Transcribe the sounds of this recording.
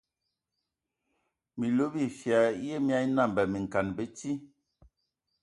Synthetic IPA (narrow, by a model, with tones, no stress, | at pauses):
mi˨lo˦bi˦˨fja˨˦je˦mi˦a˦i˦na˦˨m˨bɛ˨mi˨ŋ̩˨ka˨nbe˦ti˦